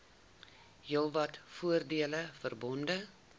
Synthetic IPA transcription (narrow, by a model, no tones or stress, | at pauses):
jəlˠvɐtfuərdiələfərbɔndə